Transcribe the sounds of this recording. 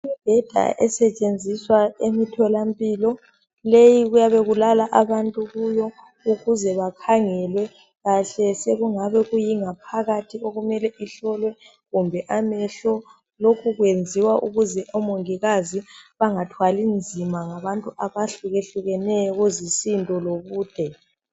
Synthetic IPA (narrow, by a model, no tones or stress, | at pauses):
imib̥ʱɛd̥ʱa̰ʔɛsɛt͡ʃʼend͡zʱiswaemitʰɔlampʼiːlɔ | lejiɣujaβeɣulalaʔaβantʼuɣujɔ | uɣuzɛβakʰaŋɛlwɛ | ɣaɬɛseɣuŋaβɛɣujiŋapʰaɣatʰioɣumɛlɛʔiɬɔlwɛ | ɣumbʱɛʔamɛɬɔ | lokʰuɣwend͡zʱiwaʔuɣuzɛʔɔmoŋiɣaziβaŋatʰwalind͡zʱimaŋaβantʼuʔaβaɬuɣeɬuɣɛnɛjɔɣozisintʼɔloβuːd̥ʱɛ